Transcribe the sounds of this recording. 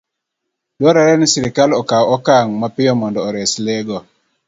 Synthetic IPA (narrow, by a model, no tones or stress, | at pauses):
dwɔɾaɾɛnsiɾɪkalɔkaɔɔkaŋmapɪjɔmɔndɔːɾɛslɛɡɔ